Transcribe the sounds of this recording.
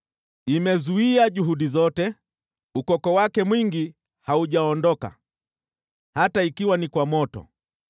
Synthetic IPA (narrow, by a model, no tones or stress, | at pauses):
imɛzuiaʄuɦuɗizɔtɛ | ukɔkɔwakɛmwiŋɡi | hauʄaɔndɔka̰ | hataikiwanikwamɔtɔ̰